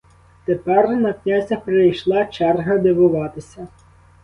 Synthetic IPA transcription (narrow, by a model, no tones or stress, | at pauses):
t̪epɛrnɐknʲazʲɐpɾejʃlˠɑt͡ʃɛrɦɐd̪ɪʋʊʋɑt̪ɪsʲɐ